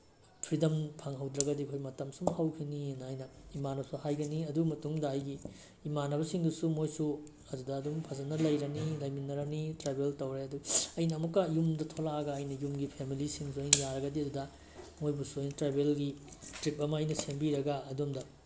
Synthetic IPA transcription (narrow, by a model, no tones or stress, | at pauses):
pʰɾidɐmpʰaŋɦɐwdɾɐɡɐdikʰojmɐtɐmsumhɐwkʰininɐːjnɐimanɐɐsuhajɡɐniɐdumɐtuŋdɐːjɡiː | manɐβɐsiŋdusumojsu | ɐdudɐːdumpʰɐzɐnɐlɐjɾɐnilɐjminɐɾɐnitɾebʱeltɐwɾeɐduɐjnɐːmukːɐjumdɐtʰolaɐɡɐːjnɐjumɡipʰemilisiŋs̬uɐjnɐjaɾɐɡɐdiɐdudɐ | mojbusuɐjnɐtɾebelɡitɾip̚ɐmɐɐjnɐsʰembiɾɐɡaɐdumdɐ